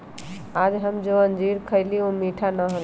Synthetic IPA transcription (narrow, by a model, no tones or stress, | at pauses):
ad͡ʒɦəmd͡ʒoənd͡ʒiɾkʰəjliomiʈʰanəɦəl